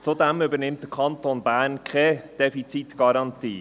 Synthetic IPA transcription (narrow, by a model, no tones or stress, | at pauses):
t͡sudɛmybəɾnɪmtdəkʰɑntonbæːɾnkʰɛd̥ɛfit͡sit̪ɡ̥ɑɾɑntiː